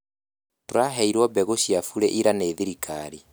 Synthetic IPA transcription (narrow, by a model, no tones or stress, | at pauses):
toɾaɦɛiɾwɔbɛɣoɕiafuɾɛʔiɾaneːðiɾikʰaɾi